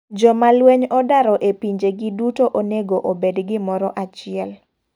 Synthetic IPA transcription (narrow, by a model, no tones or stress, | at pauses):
d͡ʒɔmalweɲɔdaɾɔʔepiɲd͡ʒeɡɪdutoʔoneɡoʔobedɡɪmɔɾɔʔat͡ʃɪɛl